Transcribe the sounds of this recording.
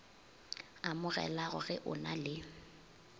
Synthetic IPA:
amʊɣɛ̰laɣʊɣɛʔʊnalɪ

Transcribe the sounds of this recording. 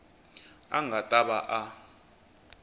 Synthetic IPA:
aŋɡʱatʼaɓaʔa

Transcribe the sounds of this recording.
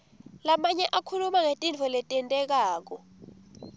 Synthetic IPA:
lamaɲɛʔakʰulumaŋetʼind͡ɮʰʱɔlɛtʼɛntʼɛk̬aːk̬ɔ

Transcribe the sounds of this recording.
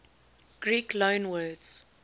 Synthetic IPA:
ɡ̥ɹiːklõʊ̃nwɜːdz̥

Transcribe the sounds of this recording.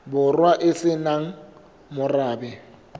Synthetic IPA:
bʊrwaʔɪsɪnaŋ̩ | mʊraːbɛ

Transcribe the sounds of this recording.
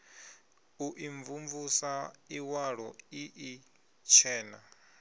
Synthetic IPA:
uʔiɱvuɱvusaiwaɺɔiʔi | t͡ʃʰɛːna̰

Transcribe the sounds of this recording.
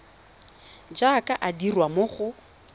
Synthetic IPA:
d͡ʒakʼaʔadirwamoχʊ

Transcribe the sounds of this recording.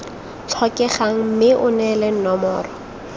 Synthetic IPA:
t͡ɬʰɔkʼɛχaŋ̩mɪʔʊnɛlɛn̩nɔmɔːrɔ

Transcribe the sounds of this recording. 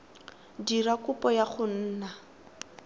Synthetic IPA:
dirakʊpɔjaχʊn̩ːna

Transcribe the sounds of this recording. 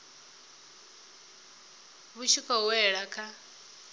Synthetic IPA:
βuʃʰikʰɔwɛɺakʰa

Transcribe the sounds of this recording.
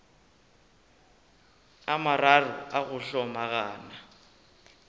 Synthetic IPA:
amararʊaɣʊɬɔmaɣaːna

